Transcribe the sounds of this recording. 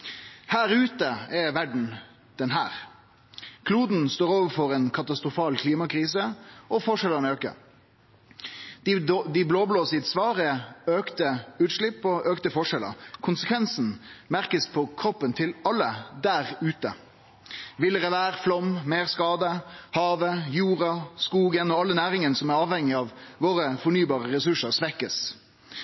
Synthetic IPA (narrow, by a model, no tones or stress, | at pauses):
hæːɾʉːt̪əɛʋæɖɳ̩ | d̪̥ɛnɦæ̰ːʁ | kʰluːd̪n̩st̪oːɾoːʋəɾfɔʁɛːnkʰɑt̪ɑst̪ʁʊfɑːlkʰliːmɑkɾiːsəɔfɔʂɛlːənøːkə̰ | d̪̥d̪ɪbloːbloːsɪt̪sʋɑːʁəøːkt̪əʉːt̪ʂɭɪpːɔʔøːkt̪əfɔʂɛlə̰kʰʊnsəkʰʋɛnsn̩mæʁkəspʰɔkʰɾɔpːənt̪ʰɪlɑlːəd̪æɾʉːt̪ə | ʋɪləʁəʋæːʁflɔmmeːʁskɑːd̪əhɑːʋəjuːʁɑskuːɡənɔɑlːənæːɾɪŋənsɔmæɾɑːʋhɛŋɪɑʋʋoːɾəfɔnyːbɑːʁəʁɛsʉʂəʁsʋɛkːəs